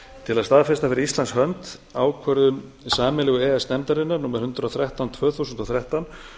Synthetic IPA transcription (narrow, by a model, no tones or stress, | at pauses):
t̪ʰɪlaðst̪aːðfɛst̪afɪɾɪist̪lanshœmt̪aːwkʰvœɾðʏm | saːmɪlɛɣʏɛːɛsnɛmt̪aɾɪnːaɾnuːmaɾ̥hʏnt̪ɾawθɾɛht̪awnt̪ʰvœːθuwsʏnt̪ɔθɾjɛht̪an